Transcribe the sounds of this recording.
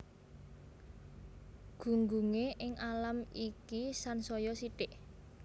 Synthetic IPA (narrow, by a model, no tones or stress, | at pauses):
ɡ̥ṳŋɡuŋeʔɪŋalamikisansɔjɔsiʈɪʔ